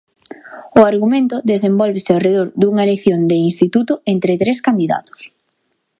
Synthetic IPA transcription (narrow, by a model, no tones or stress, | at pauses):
ʊaɾɣumẽnt̪ʊðesembɔlβɪsɪareðoɾd̪uŋɐeleθjond̪einst̪it̪ut̪ʊent̪ɾɪt̪ɾeskand̪iða̰t̪ʊ̥s